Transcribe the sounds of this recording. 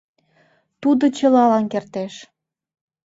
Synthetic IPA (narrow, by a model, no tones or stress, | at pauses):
t̪ud̪ot͡ɕə̆lɑlɑnkert̪eʃ